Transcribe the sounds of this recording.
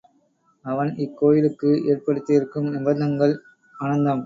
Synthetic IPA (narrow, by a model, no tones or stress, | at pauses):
ɐʋɐnɪkːoːjɪlɯkːɯeːrpɐɽɯt̪ːɪɪɾɯkːɯmnɪbɐnd̪ɐŋɡɐɭ | ɐɳɐnd̪ɐm